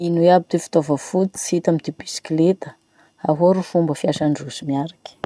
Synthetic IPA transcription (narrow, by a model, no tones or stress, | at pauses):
inueabit̪efi̥t̪ovəfut̪i̥sit̪amit̪ibisi̥klet̪ə̥ | aɦoɾufumbəfiaʃaɳɖ͡ʐuzimiaɾakʲi̥